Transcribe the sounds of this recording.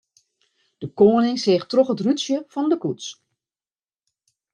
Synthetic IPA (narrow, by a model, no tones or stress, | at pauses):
d̥əkoːnɪŋseːxtroxətrytsjəfɔndəkuts